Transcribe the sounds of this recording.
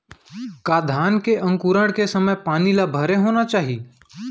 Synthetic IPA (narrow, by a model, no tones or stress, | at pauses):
kaːd̪ʱaːnkeʔə̃ŋkuɾəɽkesəməjpaːnilabʱəɾeɦoːnat͡ʃaːɦi